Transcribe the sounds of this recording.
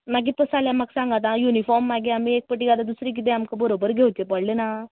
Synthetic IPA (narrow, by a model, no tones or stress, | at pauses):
nak̬it̪əsaljamaɡsãŋɡat̪najunifɔɾmːaɡeamiek̚pəʈiɡad̪ad̪usɾik̬it̪̬ẽamkabəɾobəɾɡʱewt̪epəɽlena